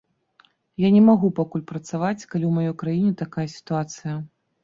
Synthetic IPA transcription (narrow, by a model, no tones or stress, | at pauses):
janʲɛmaɣupakulʲpɾɐt̪savat͡sʲkalʲiwmajɔjkɾajinʲɛt̪akajɐsʲi̥t̪uat̪sɨjɐ